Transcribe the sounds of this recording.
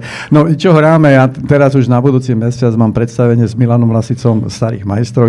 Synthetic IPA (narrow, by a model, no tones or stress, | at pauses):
nɔit͡ʃɔɦɾaːmɛjat̪ɛɾazuʒnabud̪uːt͡simɛsɪad͡zmaːmpɾɛt̪st̪aʋɛɲɪɛzmilanɔmlasit͡sɔmst̪aɾḭːɣmajst̪ɾɔ